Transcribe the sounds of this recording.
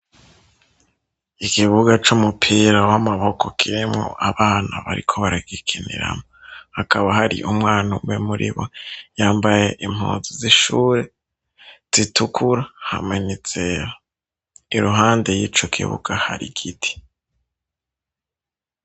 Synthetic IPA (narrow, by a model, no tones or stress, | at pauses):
ikiβuɡat͡ʃumupʰiɾawamaβo̞kʰo̞kʰiɾimŋo̰ʔaβaːna̰βaɾikʰo̞βaɾaɡikʰinḭɾa̰mohakaβaɦaɾḭʔumŋaːnumwemuɾʔḭβojaːmbaje̞ʔim̥hṵːnziziʃuːɾe̞ | z̥itukʰuɾaha̰mŋe̞nit͡seɾa | iɾuɦaːnde̞jit͡ʃokʰḭβṵɡ̥aha̰ɾḭɡitʰi̥